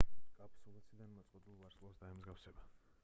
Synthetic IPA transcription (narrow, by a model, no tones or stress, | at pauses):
kʼapʰsɔvɛsid̪anmɔt̪sʼqʼwɛd̪ulˠvaɾslˠɔsd̪aɛmzɡafsɛba